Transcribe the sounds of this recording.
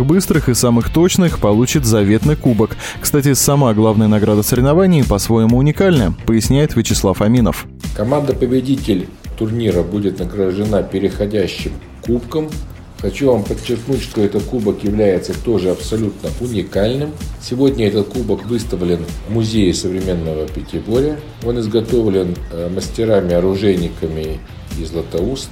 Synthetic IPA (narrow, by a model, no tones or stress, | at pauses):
bɨst̪ɾɨxɨsamɨxt̪o̞t͡ɕnɨxpɐlˠut͡ɕɪt̪zɐvʲe̞t̪nɨjkubək | kst̪atʲɪsɐmaɡlˠavnəjənɐɡɾad̪əsəɾʲɪvnɐvanʲɪːpɐsvo̞jɪmʊːnʲɪkalʲnəəpəjɪsʲnʲæjɪt̪vʲɪt͡ɕɪslˠafɐmʲinə̰f | kɐmand̪əpəbʲɪdʲitʲɪlʲ | t̪ʊrnʲiɾəbudʲɪt̪nəɡɾəʐɨnapʲɪɾʲɪxɐdʲæɕːɪm | kupkəm | xɐt͡ɕuvampət͡ɕːɪrknutʲʂt̪o̞ɛt̪ət̪̚kubəkjɪvlʲæjɪt̪sət̪o̞ʐɨɐpsɐlʲut̪nəʔʊnʲɪkalʲnɨmsʲɪvo̞dʲnʲəɛt̪ət̪kubəkvɨst̪əvlʲɪnmʊzʲejɪsəvɾʲɪmʲe̞nːəvəpʲɪtʲɪbo̞ɾʲə | o̞nɪzɡɐt̪o̞vlʲɪnməsʲtʲɪɾamʲɪɐɾʊʐɛnʲɪkəmʲɪ | ɪzlˠət̪ɐus